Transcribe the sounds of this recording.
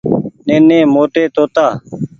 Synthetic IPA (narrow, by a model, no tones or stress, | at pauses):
nẽːnẽːmoːʈeːt̪oːt̪aː